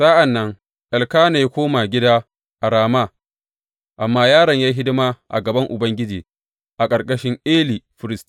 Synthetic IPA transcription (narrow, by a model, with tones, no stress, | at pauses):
sa˦ʔa˨nːɐ˦ŋ | ʔa˨lkaː˦ne˨jkʷoː˦ma˨ɡʲɪ˦daː˦ | ʔa˨ɾaː˨ma˦˨ | ʔa˨mːaː˦jaː˦ɽɐ˨ɲjaː˦ɦɪ˦dɪ˦maː˦ʔa̰˨ɡɐ˨bɐ˦ŋʔʊ˨bɐ˦ŋɡʲɪ˦d͡ʒiː˨ | ʔa˨kʼɐ˨rkʼɐ˦ʃɪ˦ŋʔeː˦liː˨ɸɪ˦ɾɪ˦stː